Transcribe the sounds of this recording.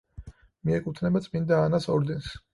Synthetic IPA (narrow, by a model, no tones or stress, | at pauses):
miɛkʼut̪ʰnɛbat̪sʼmind̪aːnasɔɾd̪ɛns